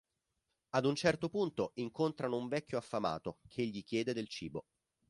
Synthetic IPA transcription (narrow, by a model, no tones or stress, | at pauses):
ad̪unt͡ʃɛrt̪opunt̪oiŋkont̪ɾanouɱvɛkʰʲːjoafːama̰ːt̪okʰeʎːik̟jɛːd̪ed̪elt͡ʃiːbo